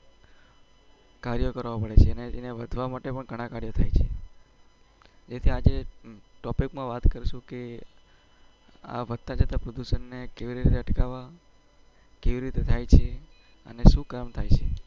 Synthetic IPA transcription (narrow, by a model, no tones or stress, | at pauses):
kaɾjokəɾʋapəɽet͡ʃʰeəneeneʋəd̪ʱʋamaʈepəɳɡʱəɽ̃ãkaɾjot̪ʰajt͡ʃʰe | d͡ʒet̪ʰiad͡ʒeʈɔpikmãʋat̪kəɾʃũke | a̰ʋəd̪̚t̪ad͡ʒət̪apɾod̪uʃənːekeʋiɾiɾit̪eəʈkaʋa | keʋiɾit̪et̪ʰajt͡ʃʰe | ə̰neʃũkamt̪ʰajt͡ʃʰe